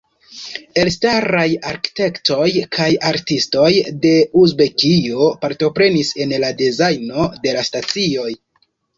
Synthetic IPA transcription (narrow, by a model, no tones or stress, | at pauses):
e̞lstaɾajaɾki̥te̞kto̞jkʰajaɾtisto̞jde̞uzbe̞kio̞paɾto̞pɾe̞nise̞nladezajno̞de̞lastat͡sio̞j